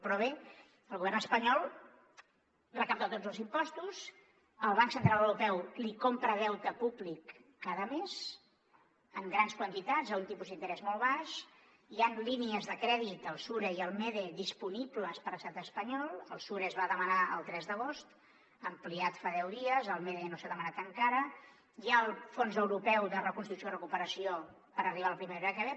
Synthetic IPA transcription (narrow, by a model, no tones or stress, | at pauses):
pɾɔβ̞e | əlˠɣuβɛrnəspəɲɔlˠ | rəkap̚t̪at̪od͡zəlˠzimpɔst̪us | əlˠβaŋksənt̪ɾaləwɾupɛwlikompɾəðɛwt̪əpuβlikː | aðəmez̥ | əmɡɾanskwənt̪it̪ad͡zəunt̪ipuzðint̪əɾɛzmɔlˠβaʃ | ianliniəzðəkɾɛðit̪əlˠsuɾeiəlˠmɛðeðispunibləspəɾəst̪at̪əspəɲɔlˠəlˠsuɾezβaðəmənaə̰lˠt̪ɾɛzðəɣ̞ost̪ | əmpliat̪faðɛwðiəzəlˠmeðenosaðəmənat̪əŋkaɾə | jalˠfonzəwɾupɛwðərəkunst̪ɾuksjorəkupəɾəsio | pəɾəriβaəlˠpɾimeɾakɛβɛ